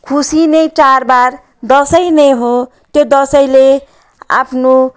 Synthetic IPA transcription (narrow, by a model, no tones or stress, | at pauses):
kʰusinet͡sarbar | d̪ʌsʌjneɦõ | t̪jod̪ʌsʌjle | a̰pʰno